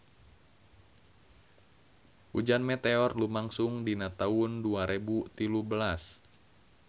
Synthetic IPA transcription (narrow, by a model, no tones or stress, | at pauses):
ʔud͡ʒanmɛt̪eɔrlumaŋsuŋdinat̪aunduaɾʔebut̪ilubəlas